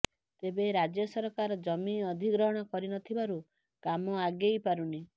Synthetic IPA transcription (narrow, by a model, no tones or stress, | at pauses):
t̪ebeɾad͡ʒjɔsɔɾɔkaɾɔd͡ʒɔmiɔd̪ʱiɡɾɔɦɔɽ̃ɔkɔɾinɔt̪ʰibaɾu | kamɔaɡejpaɾuni